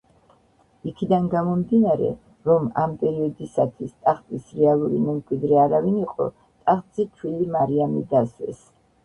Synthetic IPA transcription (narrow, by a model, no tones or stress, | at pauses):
ikʰid̪anɡamɔmd̪inaɾɛ̰ | ɾɔma̰mpʼɛɾiɔd̪isat̪ʰwist̪ʼaχt̪zʼisɾɛalˠuɾimɛmkʼwid̪ɾɛaɾaviniqʼɔ̰ | t̪ʼaχt̪z̥it̪ʰwilimaɾianid̪aswɛ̰s